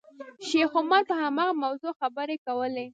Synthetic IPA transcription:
ʃexʊmaɾpəhamɑɣamawzoxabəɾekawəle

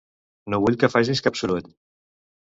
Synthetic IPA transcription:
noβuʎkəfaʒ̬iskapsulut̪

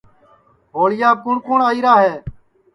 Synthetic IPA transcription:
ɦoːɭɪjaːkʊɳkoːɳaːiːɾaːɦeː

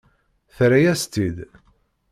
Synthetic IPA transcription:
θɾæjæst̪id̪

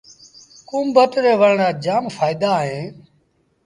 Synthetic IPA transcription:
kũːmbət̪ɾeːʋəɽɳaːd͡ʒaːmfʰaːɪd̪aːɦẽː

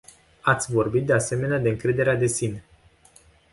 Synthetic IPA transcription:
at̪sʲvo̞rbit̪̚d̪ease̞me̞nead̪e̞ɨŋkɾe̞d̪e̞ɾead̪e̞sine

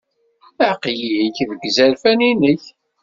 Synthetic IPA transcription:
əʕqjiiçvəɡːzæɾfæninəç

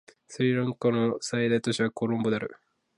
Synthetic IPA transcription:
sɨɾʲiɾãŋkanosaid̪ait̪o̞ɕiβako̞ɾõmbo̞d̪eaɾɯ̟̰

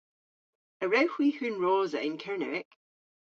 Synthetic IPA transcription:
əɹɛhw̥ihʉnɹoːzəʔɪ̃nkʰɛɹnɛ̰wɪk

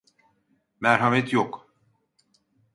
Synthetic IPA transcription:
mæɾɦamɛt̪ʰjok

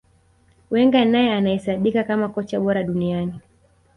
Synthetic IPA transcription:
wɛŋɡanajɛanahɛsaɓikakamakɔt͡ʃaɓɔɾaɗuniani

